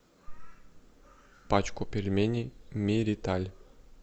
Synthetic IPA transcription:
pat͡ɕkopʲirʲmʲenʲimʲiɾʲit̪alʲ

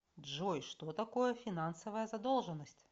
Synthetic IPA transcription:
dʐɔjʂt̪ɔt̪akɔjɛfʲinansɐvɐjɐzad̪ɔlˠʐənɐsʲtʲ

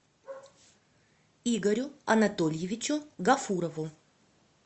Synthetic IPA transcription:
iɡɐɾʲʊɐ̰nɐt̪olʲjɪvʲɪt͡ɕʊɡɐfuɾɐvʊ

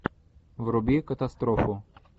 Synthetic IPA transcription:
ʋɾʊbʲikɐt̪ɐst̪ɾɔfʊ

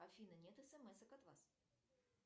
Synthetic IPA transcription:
afʲinɐnʲɛt̪ɛsɛmɛsɐkat̪vas

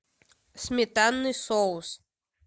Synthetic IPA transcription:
sʲmʲɛt̪anːɨsɔws

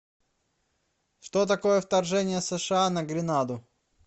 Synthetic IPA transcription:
ʂt̪ot̪ɐko̞jəft̪ɐrʐɛnʲɪjəsəʂɨanəɡɾʲɪnad̪ʊ

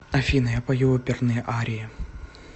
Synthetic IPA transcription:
ɐfʲinɐjɐpɐjoɔpʲɪrnɨjʔaɾʲɪɪ

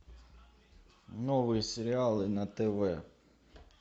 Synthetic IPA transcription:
nɔʋɨjsʲeɾʲɪalˠɨnɐt̪ɛʋɛ

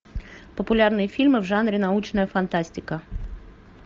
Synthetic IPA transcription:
pɔpʊlʲarnɨjɐfʲilʲmɨwʐanɾʲɪnɐut͡ʃnɐjɐfɐnt̪asʲtʲɪkɐ

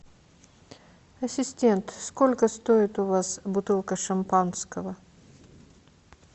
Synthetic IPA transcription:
ɐsʲɪsʲtʲe̞nt̪skolʲkəst̪oɪt̪ʊvasbʊt̪ɨlˠkəʂɐmpanskəvə

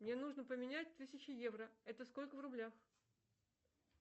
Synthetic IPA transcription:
mnʲe̞nuʐnəpəmʲɪnʲæt̚ʲt̪ɨsʲɪt͡ɕɪjevɾəɛt̪əsko̞lʲkəvrʊblʲax

